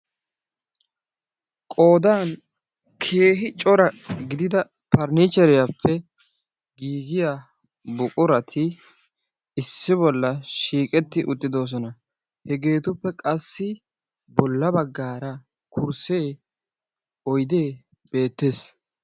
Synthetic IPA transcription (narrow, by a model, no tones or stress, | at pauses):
kʼo̞ːd̪aːn | kʰe̞ːɦɪt͡ʃʼɔɾɐɡɪd̪ɪd̪ɐ | pɐɾnɪt͡ʃːɛɾɪjapːɛ | ɡiːɡɪjaː | bʊkʼʊɾɐt̪ʰɪ | ɪsːɪbɔlːɐʃiːkʼɛt̪ːɪʔʊt̪ʼːɪd̪o̞ːs̬ɔnɐ | hɛɡe̞ːt̪ʊpːɛkʼɐsːɪ | bɔlːɐbɐɡːaːɾɐ | kʰʊɾse̞ː | ɔjd̪e̞ː | be̞ːt̪ːe̞s